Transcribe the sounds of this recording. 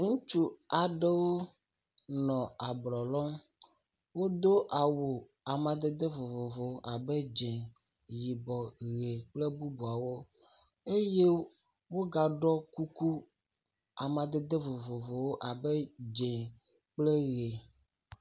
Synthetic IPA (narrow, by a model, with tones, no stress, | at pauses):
ŋũ˦t͡ʃu˦a˨ɖe˦wo˦ | nɔ̃˨a˨blɔ˨lɔ˦m | wo˦d̪o˦ʔa˨wo˨ | a˨mã˨d̪e˦d̪e˦vo˨vo˨vo˨wo˦ʔa˨be˦d͡ʒɛ̃˨ | ji˨bɔ˨ɣe˨k͡ple˦bu˦bu˨a˨wo˦ | e˦je˦ | wo˦ɡa˨ɖɔ˦ku˦ku˦ | a˨mã˨d̪e˦d̪e˦vo˨vo˨vo˨wo˦ʔa˨bɛ˦d͡ʒẽ˨ | k͡ple˦ɣe˨